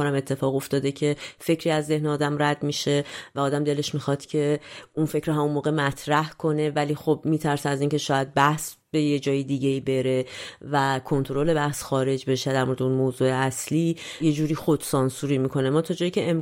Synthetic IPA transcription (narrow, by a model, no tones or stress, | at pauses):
onæme̞t̪ʰːe̞fɒːɣo̞ft̪ɒːd̪e̞cʰe̞fe̞cʰɾiːæzːe̞hneɒːd̪æmræd̪miːʃe̞væɒːd̪æmd̪e̞le̞ʃmixɒd̪̥cʰe̞unfe̞cʰɾoɦæmunmoːɣe̞mæt̪ʰɾæhkʰo̞ne̞væliːxobmiːt̪ʰæɾsææziːncʰe̞ʃɒːjæd̪̚bæhsbe̞jed͡ʒɒːjid̪iːɟe̞iːbe̞ɾe̞vækʰo̞nt̪ʰoɾo̞le̞bæhsxɒːɾe̞d͡ʒbe̞ʃed̪æɾmo̞ɾeeunmoːzue̞æsliːje̞d͡ʒuːɾiːxo̞d̪̥sɒnsuɾiːmikʰo̞nemɒːt̪ʰɒd͡ʒɒːjicʰe̞ʔem